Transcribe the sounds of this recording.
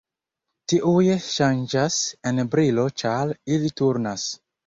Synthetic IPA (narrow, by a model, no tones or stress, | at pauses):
tiʔujeʃand͡ʒasenbɾilot͡ʃaɾilituɾnas